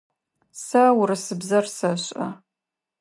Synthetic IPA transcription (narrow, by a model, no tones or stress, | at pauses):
sɐwɾɨsɨbzɐrsɐɕʼɐ